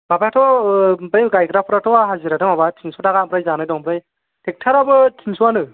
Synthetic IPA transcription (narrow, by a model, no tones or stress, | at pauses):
babajtʰɔbajɡajkɾapʰɾatʰɔaɦaziɾatʰɯmabatʰiŋsɔtaɡampɾajzanajdɔŋpɾaj | tɛk̚tʰaɾabɯtʰiŋsuwanɯ